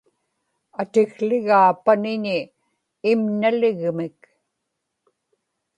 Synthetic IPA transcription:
at̪ɪɣlɪɣaːpanɪɲɪː | mnalɪɣmɪk

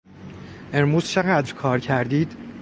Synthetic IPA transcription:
eɾmuːzt͡ʃʰeɣæːd̪ɾkʰɒːɾcʰæɾd̪iːd̪̥

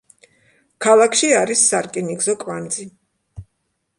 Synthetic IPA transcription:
kʰalˠakʰʃiaɾisːaɾkʼiniɡzɔkʼvand̪zi

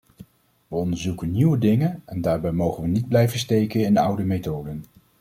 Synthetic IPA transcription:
ʋəɔndəɹzukənniwədɪŋənɛndaːɹbɛjmowχənʋənid̚blɛjvənstejkənɪnʌ̰wdəmejtowdən

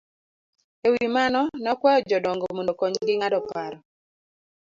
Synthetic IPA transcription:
ewimanɔnɔkwɛjɔd͡ʒɔdɔŋɡomondokɔɲɡɪŋadɔpaɾɔ

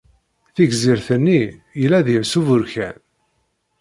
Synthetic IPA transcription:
θiɡziɾθənːijəlːæðivsuvʊɾçæ̰n

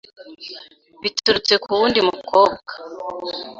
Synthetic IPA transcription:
βituɾut͡se̞kʰuβuːndimukʰoːbɡ̥a

